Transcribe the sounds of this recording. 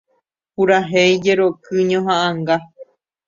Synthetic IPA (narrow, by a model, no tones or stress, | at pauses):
puɾaɦejd͡ʒeɾokɨɲõɦãʔãŋɡa